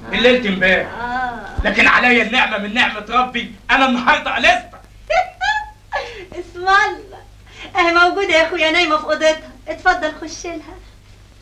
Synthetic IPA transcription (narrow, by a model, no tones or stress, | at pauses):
ʔelːelt̪ɪmbæːɾʔæːlæːkɪnʕa̰læjːænːeʕmæmɪnːeʕmæt̪ɾˤɑbːiʔænænːɑhɑɾˤd̪ˤɑʔælest̪æ̥ | ʔɪsmɑlːɑ | ʔænæmowɡuːd̪æjæxuːjænæːjmæfʔod̪et̪hɑet̪fɑd̪ˤːɑlxoʃːelhæ